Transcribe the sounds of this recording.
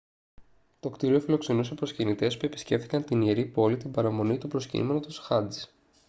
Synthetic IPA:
t̪o̞kt̪iɾio̞filo̞kse̞nuse̞pɾo̞scinit̪e̞spue̞pi̥sce̞ft̪i̥kɐnt̪inieɾipo̞lit̪imbɐɾɐmo̞nit̪upɾo̞scḭme̞not̪osxɐnd̪is

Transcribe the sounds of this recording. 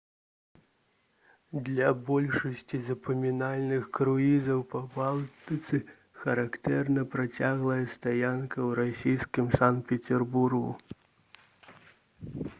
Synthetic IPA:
d̪lʲɐbɔlʲʂɐsʲt͡sʲizɐpɐmʲinalʲnɨxkɾuizɐwpɐbalˠt̪ɨt̪sɨ | xɐɾakt̪ɛrnɐpɾat͡sʲaɣlˠɐjɐst̪ajankɐwɾasʲijskʲimsant̪̚pʲɛt͡sʲɛrburɣṵ

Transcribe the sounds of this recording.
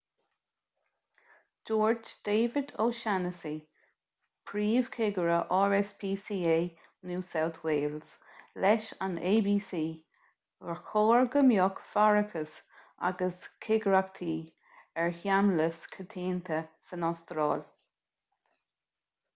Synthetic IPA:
d͡ʒ̥oːɹd͡ʒd̪̥eːvɪd̪oːʃanəsi | pʰɾiːv̥kʰɪɡəɹəʔɔːɹɛspʰiːsiːeː | nuːsawt̪ʰweːls | lɛʃaneːbiːsiː | ɡəxʰoːɹɡəmjɔkfaɹəkʰəsʔa̰ɡəskʰɪɡəɹak̚t̪ʰiː | ɛɹhjamləskʰət̪ʰiːnt̪ʰəsənɔst̪ɾɑ̰ːl

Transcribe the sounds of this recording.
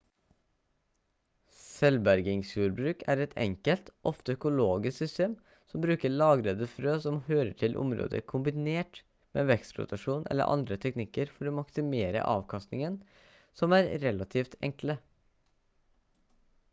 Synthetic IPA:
sɛlbæɾɡɪŋsjuːɾbɾʉːkʰæːɾɛt̪ʰɛ̰ŋkəlt̪ʔɔft̪əœkʊloːɡɪsksʏst̪eːm | sɔmbɾʉːkəɭɑːɡɾəd̪əfɾøːsɔmhøːɾəʈʰɪlʔʊ̰mɾo̰ːd̪ə̰ɾkʰʊmbɪneːʈ | mḛːʋɛkst̪ɾʊ̰t̪ɑʂuːnʔɛ̰lːə̰ɾʔɑ̰nd̪ɾət̪ʰɛknɪkːəɾfɔɾoːmɑksɪmeːɾə̰ʔɑ̰ːʋkʰɑst̪nɪŋən | sɔmæːɾɾɛlɑt̪ʰiːft̪ʰɛ̰ŋklə

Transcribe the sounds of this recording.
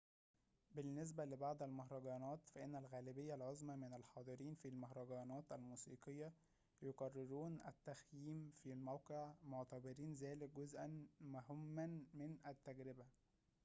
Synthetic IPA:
bɪnːes̬bælebɑʕd̪ˤælmʊɦɾˤɑɡɑːnɑːt̪fæʔenːælɣæːlɪbɪjːælʕozmæmɪnælħɑːd̪ˤɨɾiːnfilmoɦɾˤɑɡɑːnɑːt̪ælmuːsiːqɨjːɑ | joqɑrˤːɪɾuːnʔæ̰t̪ːæxjiːmfilmæwqeʕmoʕt̪æbɑɾiːnzæːlɪk̚ɡʊzʔænmʊɦɪmːænmɪnʔæt̪ːæɡɾɪbæ

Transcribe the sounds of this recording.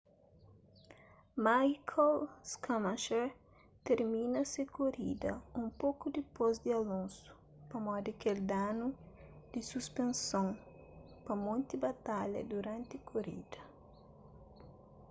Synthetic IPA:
majkʰolskamaʃeɾ | t̪eɾmĩnɐsɪkoɾḭd̪ɐũmpokud̪ipozd̪ɪalõnsu̥ | pɐmɔd̪ikeld̪anu | d̪̥ɪsuspẽnsõŋ | pɐmõnt̪ibat̪aʎɐ̰d̪uɾãnt̪ɪkʰoɾḭd̪̥ɐ

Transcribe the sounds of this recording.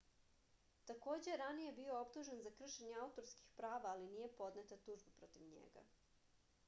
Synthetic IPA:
t̪ako̞ːd͡ʑejeɾanije̞bio̞opt̪uʒenzakr̩ʃeɲeaut̪o̞ɾskixpɾaːʋaːliniːje̞po̞d̪net̪at̪uʒbepɾo̞t̪iʋɲḛɡa̰

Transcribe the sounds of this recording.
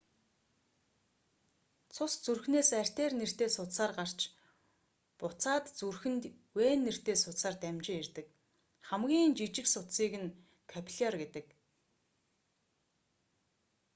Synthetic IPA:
t͡sʰʊst͡surxneːsær̥ʲt̪eːrner̥t̪eːsʊt̪saːrɢar̥t͡ɕ | pʊt͡saːt̪t͡surxɘ̆nt̪ | weːnːer̥t̪eːsʊt̪saːrt̪æmʲt͡ɕɪŋerʲt̪ɘ̆k | χæmɡʲiːnt͡ɕit͡ɕɪ̆ksʊt̪siːkɘ̆n | kʰæpʲʰɮʲɔrɡet̪ɘ̆k

